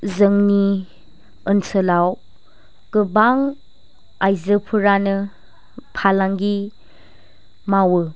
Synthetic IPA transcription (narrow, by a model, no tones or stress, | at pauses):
zəŋni | ənsəlaw | kɯbaŋ | ajzɯpʰuɾanɯ | pʰalaŋɡi | mawɯ